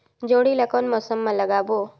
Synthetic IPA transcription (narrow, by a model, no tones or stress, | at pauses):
d͡ʒoːɽilɐkoːnmɔːsəmːãlɐɡaːbo